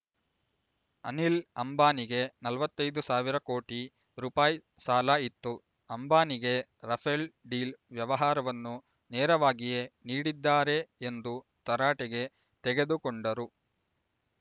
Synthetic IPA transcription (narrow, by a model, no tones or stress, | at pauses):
ɐ̰nilɐmbaːniɡe̞nɐlʋɐt̪ːɐjd̪usaːʋiɾɐko̞ːʈi | ɾuːpaːji | saːlɐit̪ːu | ɐmbaːniɡe̞ | ɾɐpʰelɖiːlʋjɐʋɐɦaːɾɐʋɐnːu | nɛːɾɐʋaːɡije̞niːɽid̪ːaːɾe̞ːnd̪u | t̪ɐɾaːʈɛɡe̞ | t̪ɛɡe̞d̪ukoɳɖɐɾu